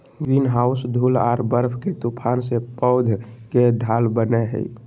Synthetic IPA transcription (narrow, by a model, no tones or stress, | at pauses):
ɡɾinɦaʊsd̪ʱula̰ɾbəɾpʰket̪upʰansepəʊd̪ʱked̪ʱalbəneɦə̰ḭ